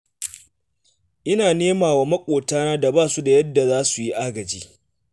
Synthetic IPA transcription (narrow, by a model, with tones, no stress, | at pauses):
ʔɪ˦naː˨neː˦maː˨waː˨mɐ˦kʷʼoː˨taː˦naː˦da˨baː˦˨su˦da˨jɐ˦dːa˨zaː˦su˨ji˦ʔaː˦ɡɐ˨d͡ʒiː˦